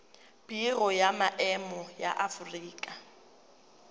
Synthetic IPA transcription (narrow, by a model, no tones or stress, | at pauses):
b̥irɔjamaʔɛmɔja̰ʔafuriːkʼa